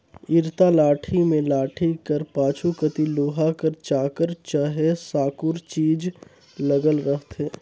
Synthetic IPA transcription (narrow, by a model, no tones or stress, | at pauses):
ɪɾt̪alaːʈʰimẽlaːʈʰikəɾpaːt͡ʃʰukət̪iloːɦakəɾt͡ʃaːkəɾt͡ʃaɦesaːkʊɾt͡ʃiːd͡ʒ | ləɡəlɾəɦt̪ɦɛː